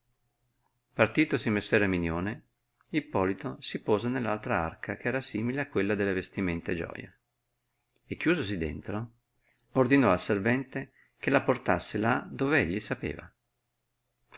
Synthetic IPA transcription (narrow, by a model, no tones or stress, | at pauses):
part̪iːt̪osimesːɛːɾeminjoːne | ilpɔːlit̪osipɔːzenelːalt̪ɾaa̰rkʰakeɛːɾasiːmileakːwelːad̪elːevest̪iment̪ed͡ʒɔ̰ːja̰ | ekːjuːzos̬id̪ḛnt̪ɾo | ord̪inɔalservɛnt̪e | k̟elaport̪asːelad̪oːveeʎːisapḛːva̰